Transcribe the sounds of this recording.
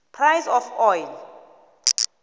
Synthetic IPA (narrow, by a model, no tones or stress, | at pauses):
pʰrajsɔfɔjl